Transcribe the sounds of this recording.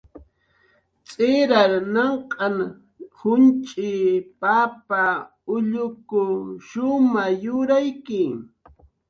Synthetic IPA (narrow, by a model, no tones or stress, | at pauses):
t͡sʼɪɾaɾnɑɴqʼɑŋ | hʊnt͡ʃʼɪpapa | ʊʎʊkʊʃʊmajʊɾajkɪ